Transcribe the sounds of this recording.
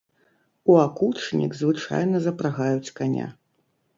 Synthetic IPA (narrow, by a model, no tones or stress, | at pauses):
uakut͡ʂnʲḭkzvɨt͡ʂa̰jnɐzɐpɾaɣajut͡sʲkanʲa̰